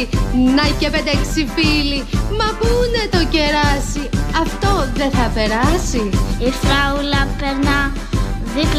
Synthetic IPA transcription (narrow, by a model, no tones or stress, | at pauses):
nɐceped̪eksifilimɐpune̞t̪o̞ce̞ɾɐsiɐft̪o̞ðe̞θɐpe̞ɾɐsiifɾɐulɐpeɾnɐ | ðip